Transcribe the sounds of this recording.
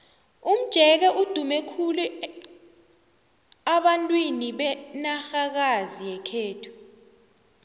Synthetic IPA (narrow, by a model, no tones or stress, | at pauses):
um̩d̥ʒ̥ʱɛk̬ɛʔud̥ʱumɛkʰulu | aɓantʼwiniɓɛnaxak̬azijɛkʰeːtʰu̥